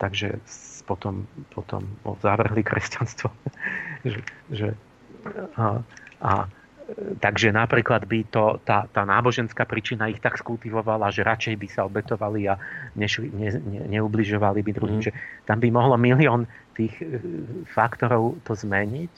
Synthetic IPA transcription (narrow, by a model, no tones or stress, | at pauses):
t̪aɡʒɛ̰spɔt̪ɔmpʰɔt̪ɔ̰mɔ̰zaʋr̩ɦlikɾɛ̰scanst̪ʋɔ | ʒɛʒɛ | ʔa̰ | t̪aɡʒɛnapɾiːklad̪bit̪ɔt̪aːt̪aːnaːbɔʒɛnskaːpɾiːt͡ʃinaixt̪akskult̪iʋɔʋalaʒɛɾat͡ʃɛjbisaɔbɛt̪ɔʋaliaɲɛʃɲɛɲɛɲɛubliʒɔʋalibid̪ɾuɦimʒɛt̪ambimɔɦlɔmiliɔːn | t̪iːx | fakt̪ɔɾɔʊt̪ɔzmɛɲic